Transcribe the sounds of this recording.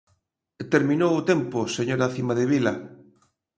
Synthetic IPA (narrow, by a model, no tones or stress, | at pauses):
t̪eɾmĩnowʊt̪empʊseɲoɾaθimaðeβilɐ